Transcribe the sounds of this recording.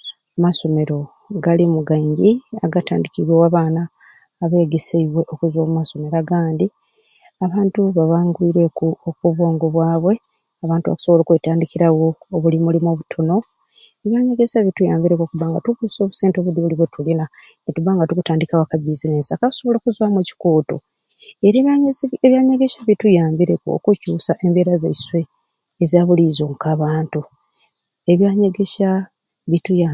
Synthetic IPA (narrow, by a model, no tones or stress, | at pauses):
maso̞me̞ɾo̞ | ɡalimuɡaɲɟia̰ɡata̰ːndikiβwewaβaːnaː | βe̞ːɡe̞seiβwe̞ʔo̞kuzwoːmumaso̞me̞ɾaɡaːndi | aβaːntuβaβaːŋɡwiːɾekuokuβwo̞ːŋɡoβwaːβwe̞ | aβaːntuβa̰ku̥so̞βo̞loːkweːtaːndikiɾawo̞ːβulimulimoːβutʰo̞no̞ | e̞βjaːɲeɡe̞saβitujaːmbiɾeko̞kuβaːŋɡatuβuso̞ːβuseːntoβudiβuliβwetulina | netuβaːŋɡatukutaːndikawakaβizinensakakusoβo̞loːkuzwamweci̥koːto̰ | eɾeβjaːɲeɡe̞ʃaβitujaːmbiɾeko̰kucuːsaʔe̞mbe̞ːɾazeiswe̞ː | ziaβulizoŋkaːβaːntu | e̞βjaɲeɡeʃa | βituja